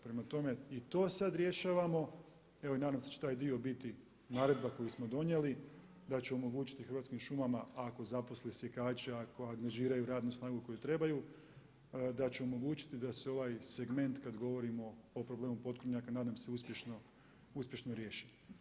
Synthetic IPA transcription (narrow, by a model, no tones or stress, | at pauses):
pɾemat̪o̞me̞it̪o̞ːsad̪ɾje̞ʃaːʋamo̞ | e̞ʋoinaːd̪amset͡ɕet̪aːjd̪io̞bit̪i | naːɾe̞d̪̚bako̞jismo̞d̪o̞ɲjeli | d̪at͡ɕeomo̞ɡuːt͡ʃi̥t̪ixɾʋat̪skimʃumamaako̞zapo̞slesjekaːt͡ɕeako̞aŋɡaʒiːɾajuɾaːd̪nusnaːɡuko̞jut̪ɾe̞baju | d̪at͡ɕeomo̞ɡuːt͡ʃi̥t̪id̪aseo̞ʋajse̞ɡme̞nt̪kad̪ɡo̞ʋo̞ɾimo̞ːpɾo̞ble̞ːmupo̞t̪̚kɾoɲakanaːd̪amse̞uspʲje̞ʃno | uspʲje̞ʃnoɾje̞ːʃi̥